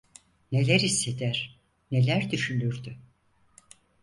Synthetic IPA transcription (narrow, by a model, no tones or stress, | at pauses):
ne̞lʲæɾisːe̞d̪æɾ̥ | ne̞lʲæɾd̪yʃynyɾd̪y